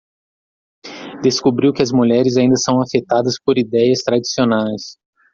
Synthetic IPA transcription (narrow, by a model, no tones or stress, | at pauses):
d̪eskubɾiwkɪɐzmuʎɛɾɪzaĩnd̪ɐsɐ̃w̃afet̪ad̪ɐspoɾid̪ɛjɐst̪ɾad͡ʒi̥sionajs